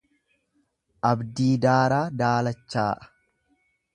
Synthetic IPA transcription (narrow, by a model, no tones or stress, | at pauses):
ʔɐbd̪iːd̪aːɾaːd̪aːlɐt͡ʃːaːʔɐ̥